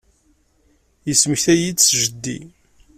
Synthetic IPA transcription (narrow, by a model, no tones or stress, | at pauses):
jəsməçθæjit͡sːʒəd̪ːḭ